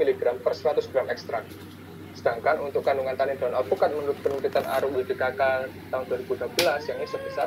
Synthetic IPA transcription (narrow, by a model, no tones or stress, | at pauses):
iliɡɾampərsəɾat̪ʊsɡ̥ɾamɛkst̪ɾak̚ | sə̥daŋkanunt̪ʊkːanduŋant̪anɪndɔnalpukat̪̚mənuɾʊt̪̚pənəmpit̪anʔaɾʊbikəkakat̪aɦʊnduaɾibudabəlasjaŋnisəbəsar